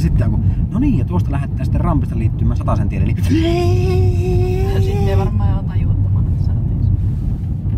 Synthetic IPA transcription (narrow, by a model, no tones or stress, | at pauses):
sit̪ːejɑŋkunoniːjjɑt̪uost̪ɑlæhet̪ːæːnsi̥t̪ːerrɑmpist̪ɑliːt̪ːymːˑæːnsɑt̪ɑsent̪ielḛnːi | sesinːeːʋɑrmɑːjɑt̪ɑjut̪ːɑmɑnet̪sɑt̪es